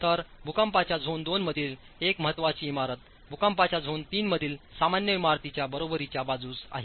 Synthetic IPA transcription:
t̪əɾbʱukampat͡ɕjad͡zʱond̪onməd̪ʱiːl | ekməɦət̪ːʋat͡ɕiːmaɾət̪̚ | bʱukampat͡ɕjad͡zʱont̪iːnməd̪ʱiːlsamanjəʋimaɾt̪it͡ɕjabəɾobəɾit͡ɕjabad͡zuːsa̰ɦe

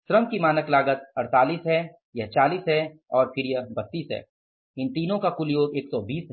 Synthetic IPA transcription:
ʃɾəmkimaːnəklaːɡət̪̚ɐɾt̪aːliːsɦɛ | jɐt͡ʃaːliːsɦɛɔːɾfɪɾjəbɐt̪ːiːsɦɛ̰ː | ɪnt̪iːnõkakʊljoːɡeːksɔːbiːsɦɛ

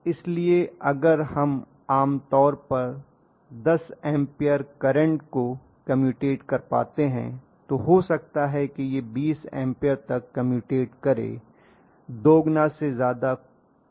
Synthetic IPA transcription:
ɪslieɐɡəɾhɐm | aːmt̪ɔːɾpɐɾ | d̪ɐsɛ̃ːmpijəɾkɐɾə̃ɳʈko | kɐmjuːʈeːʈkɐɾpa̰ːt̪eɦɛ̰̃ | t̪oɦosɐk̚t̪aɦɛkijebiːsɛ̰̃ːmpijəɾt̪ɐkːɐmjuːʈeːʈkɐɾḛː | d̪oːɡnasezjaːd̪a

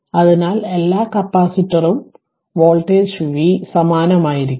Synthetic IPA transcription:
ɐðinaːlelːaːkɐpːaːsitːɐrum | ʋoːɭʈːeːɕuʋisɐmaːnɐmaːjiɾikʲː

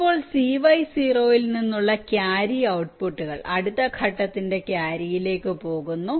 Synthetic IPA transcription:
pːo̞ːɭsiʋɐjsiro̞ːjilninːuɭːɐkjaːɾiɐwʈpuʈːuɣɐ̰ɭɐɽut̪ːɐkʰɐʈːɐt̪ːinde̞kjaːɾijile̞ːkːɨpo̞ːɣunːu

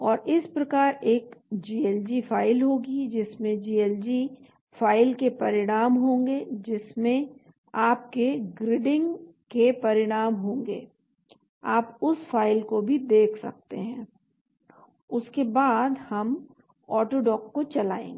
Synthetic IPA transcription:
ɔːɾɪspɾɐkaːɾeːkd͡ʒiːɛːld͡ʒifʰaːɪlɦoːɡid͡ʒɪsmẽd͡ʒiːɛld͡ʒi | faːɪlkepɐɾɪɽ̃aːmɦõːŋɡed͡ʒɪsmẽ | aːp̚keɡɾɪɖɪ̃ŋɡ | kepɐɾɪɽ̃aːmɦõːŋɡḛː | aːpʊsfaːɪlkobʱid̪eːkʰsɐ̰k̚t̪ḛɦɛ̃ː | ʊskebaːd̪hɐm | ɔːʈoːɖɔːkːot͡ʃɐlaːḛ̃ːŋɡ

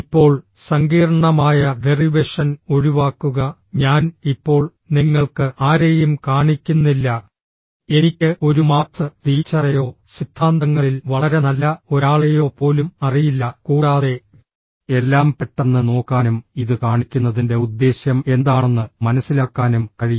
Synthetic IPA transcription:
ipːo̞ːɭsɐŋɡiːrɐɳɐmaːjɐʋeriʋeʂɐno̞ɾuʋaːkːuɣɐɲaːnipːo̞ːɭ | niŋːɐɭkɨʔaːɾejumkaːɳikʲːunːilːɐ | e̞nikʲːɨʔo̞ɾumaːt̪ːɨriːt͡ɕːɐrɐjo̞ːsid̪̥ʱːaːnd̪ɐŋːɐɭilʋɐɭɐɾenɐlːɐo̞ɾaːɭejo̞ːpo̞ːlumɐrijilːɐkuːɽaːðe̞ | e̞lːaːmpeʈːenːɨno̞ːkːaːnumiðɨkaːɳikʲːunːɐðinde̞ud̪ːe̞ːɕjɐme̞nd̪aːɳenːɨmɐnɐsːilaːkːaːnumkɐɻiju

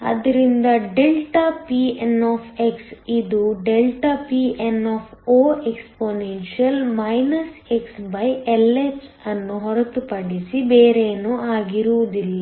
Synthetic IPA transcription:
ɐ̰d̪ɐɾind̪ɐɖelʈapienoːpʰeksid̪uɖelʈɐpienːɔːpʰoːeksponenʃiɐlmɐjnɐseksbɐjelːesɐnːuɦɔɾɐt̪upɐɽisibeːɾenuaːɡiɾuʋud̪ilːa

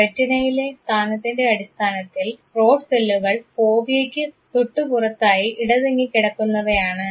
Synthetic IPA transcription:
pɐtːinɐjile̞st̪ʰaːnɐt̪ːinde̞ɐɽist̪ʰaːnɐt̪ːilro̞ːɖselːuɣɐɭpo̞ːʋjekʲːɨ | t̪uʈːupurɐt̪ːaːjiʔiɽɐðeŋːikːiɽɐkːunːɐʋɐjaːɳɨ

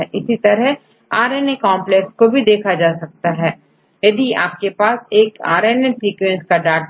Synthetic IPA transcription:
ɛʔɪsit̪ɐɾə | aːɾeːnekɔ̃ːmplɛkskobʱid̪eːkʰad͡ʒaːsɐk̚t̪aɦɛː | jɐd̪ia̰ːp̚kepaːseːka̰ːɾeːnesɾiːkwɛ̃nskaɖaːʈ

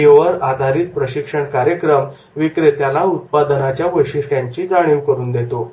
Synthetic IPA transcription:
eʋəɾad̪ʱaɾiːt̪̚pɾəɕikʂəɳkaɾjəkɾəm | ʋikɾet̪jalaut̪̚pad̪nat͡ɕjaʋəjɕiʂʈjaɲt͡ɕiːd͡zaɽ̃iwkəɾuːnd̪et̪o

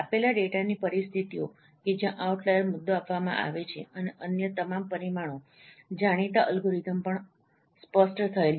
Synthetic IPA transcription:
apelaɖeʈanipəɾist̪ʰit̪io | ked͡ʒjãʔauʈlajəɾmʊd̪ːoapʋamã̰ʔa̰ʋet͡ʃʰeəneʔənjət̪əmampəɾimaɽ̃o | d͡ʒaɽ̃it̪aʔəlɡʱuɾit̪əmpəɳ | spəsʈt̪ʰəel

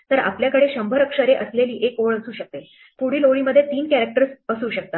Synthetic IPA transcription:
t̪əɾa̰pljakəɽeɕəmbʱəɾəkʂəɾeʔəsleliːʔekoɭəsuːɕək̚t̪e | puɽ̤iːloɭiːməd̪ʱːjet̪iːnkæɾək̚ʈəɾsəsuːɕək̚t̪a

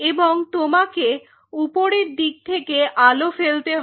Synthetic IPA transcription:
eboŋt̪omake | upoɾeɾd̪iɡ̚t̪ʰekeʔalofelt̪eɦ

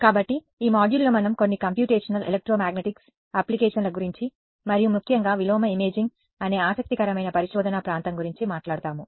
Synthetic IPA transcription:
kaːbɐʈːi | iːmaːɖjulːoːmɐnɐmko̞nːikɐmpjuːʈeːʂɐnɐlelek̚ʈɾoːmaːɡneʈiks | aːplikɛːʂɐnlɐɡuɾiɲt͡ʃi | mɐɾijumukʰjɐŋɡaːʋilɔːmɐimeːd͡ʒiŋɡ | ɐne̞ːaːsɐk̚t̪ikɐɾɐmɐjnɐpɐɾiʃɔːd̪ʱɐnɐpɾaːnt̪ɐmɡuɾiɲt͡ʃimaːʈlaːɽut̪aːmu

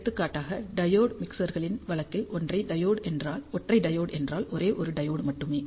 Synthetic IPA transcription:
t̪ːɯkːaːʈːaːɣɐɖɐjoːɽmɪksɐɾɣɐɭɪnʋɐɭɐkːɪlʔɔndrɐɪɖɐjoːɽɛndraːlɔʈrɐɪɖɐjoːɽɛndraːlʔɔɾeːʔɔɾɯɖɐjoːɽmɐʈːɯmeː

